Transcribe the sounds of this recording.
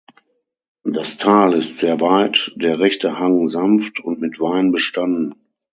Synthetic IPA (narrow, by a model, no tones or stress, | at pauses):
d̥astʰaːlɪstz̥eːɐvaɪtd̥eːɐʁɛçtəhaŋzamftʰʊntmɪtv̥aɪnbəʃtandn̩